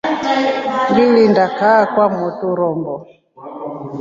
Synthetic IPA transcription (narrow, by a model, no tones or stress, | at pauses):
ŋɡilindakaːkwamɔtuɾɔmbɔ